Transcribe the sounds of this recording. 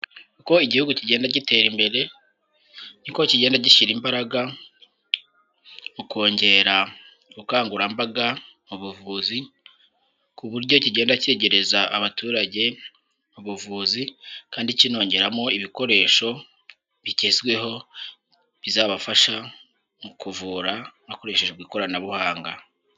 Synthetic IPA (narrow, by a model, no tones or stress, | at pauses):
kuko̞iɟihuɡuciɟeːndaɟite̞ːɾimbe̞ɾe̞ | nikociɟe̞ːndaɟiʃiɾimbaɾaɡa | mukʰo̞ːɲɟe̞ɾa | ɡukaːŋɡuɾambaɡa | muβuvuːzi | kuβuɾɟo̞ciɟe̞ːndace̞ɟe̞ɾe̞zaːβatuːɾaɟe̞ | muβuvuːzikaːndicino̞ːɲɟe̞ɾamo̞iβiko̞ɾe̞ːʃo̞ | βitezɡwe̞ɦo̞ | βizaːβafaʃa | mukuvuːɾanako̞ɾe̞ʃe̞ʒeβɡiːko̞ɾanaβuhaːŋɡa